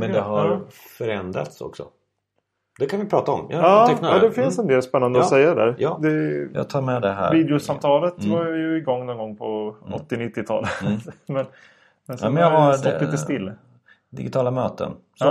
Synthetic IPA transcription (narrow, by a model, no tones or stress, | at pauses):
mɛnd̪ɛɦaɾ | fœɾɛnd̪ɾa̰t̪sɔ̰ksɔ̰ | d̪ɛkʰanvɪpʰɾɑːt̪aɔmjɑːnaɑd̪ɛfɪnsɛnd̪eːlspɛnːand̪əɔssɛjːadɛd̪æ̰ːɾd̪ɛjɑ̰ɡ̚t̪ʰɑːɾmɛd̪ɛɦæ̰ːviːd̪ɛʊsamt̪ʰɑːlət̪vaɾjjɵɪɡɔŋːnɔnɡɔŋːpʰɔɔ̰t̪ːɪnɪt̪ːɪt̪ʰɑ̰ːləmɛn | mɛnsmɛnjaaɔp̪ːiːəst̪ɪlː | d̪ɪ̰ɡɪt̪ʰɑːlamøːt̪ə̰n | s